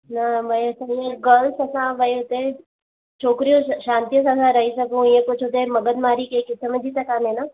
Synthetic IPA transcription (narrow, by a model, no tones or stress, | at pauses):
nɐʋɐjɐsãjẽɡɐlsɐsãʋɐjɦot̪ee | t͡ʃʰoːkɾijõʃãːnt̪ijəs̬ɐsãɾɐɦisɐkũjẽkʊt͡ʃʰɦot̪eemɐɡəd̪maːɾikekɪt̪ʰːəmẽd͡ʒʱit̪ɐkaːmẽna